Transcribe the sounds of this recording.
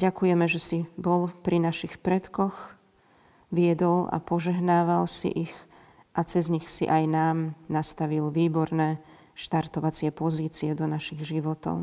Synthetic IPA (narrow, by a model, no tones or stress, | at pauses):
ɟakujɛmɛʒɛsibɔlpɾinaʃixpɾɛt̪kɔx | ʋɪɛd̪ɔla̰pɔʒɛɦnaːʋalsḭʔix | ʔat͡sɛzɲixsḭʔajnaːmnast̪aʋilʋiːbɔɾnɛ | ʃt̪aɾt̪ɔʋat͡sɪɛpɔziːt͡siɛd̪ɔnaʃiɣʒiʋɔt̪ɔ̰ʊ